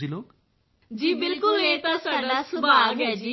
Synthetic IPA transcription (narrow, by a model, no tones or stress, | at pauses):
iloːk | d͡ʒiːbɪlkʊlɦeːt̪ãsaːɖasʊbaːɡɦɛd͡ʒiː